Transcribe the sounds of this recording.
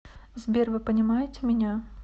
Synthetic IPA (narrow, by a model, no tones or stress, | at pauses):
zbʲervɨpənʲɪmajɪtʲɪmʲɪnʲa